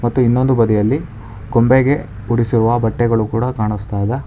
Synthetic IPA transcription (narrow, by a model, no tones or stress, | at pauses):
mɐt̪ːuinːo̞nd̪ubɐd̪ɛjɐlːi | ɡ̥ombeɡe̞ | uɽisiɾuʋɐbɐʈːɛɡɐɭukuːɽɐkaːɳust̪aːd̪ɐ